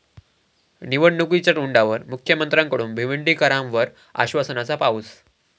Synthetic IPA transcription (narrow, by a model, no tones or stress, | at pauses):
niʋəɽnukuit͡ɕəʈuɳɖaʋəɾmukʰjəmənt̪ɾãŋkəɽuːnbʱiʋiɳɖiːkəɾãmʋəɾ | a̰ɕʋasənat͡sapauːs